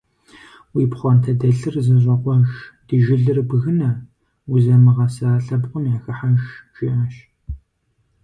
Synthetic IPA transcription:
wiːpχʷɔntʰɐdɐɬɨrzɨɕʷʼɐqʷɔʒd̥iʒɪɮɨrbɨɣɨnɐ | wuzɐmɨʁɐsaːɬɐbqʷʊmaxɐħaʒt͡ʃʼiːʔɐʃ

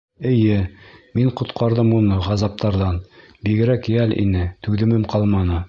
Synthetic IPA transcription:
ɘ̆jɘmiɴqŏt̪qɑɾðɤmunɤʁɑzɑp̚t̪ɑɾðɑn | biɡɘ̆ɾækjælḭnɘt̪ʉðɘ̆mɘmqʰɑlˠmɑnɤ

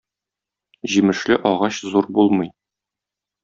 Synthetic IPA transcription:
ʑimɘ̆ʃlɘʔɒʁɑɕzuɾbulˠmɤ̆j

